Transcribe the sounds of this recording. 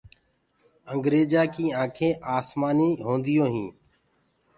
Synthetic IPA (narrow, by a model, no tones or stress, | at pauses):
əŋɡɾeːd͡ʒaːkiːãːkʰẽːʔaːsmaːniːɦõːnd̪ɪjoːɦĩː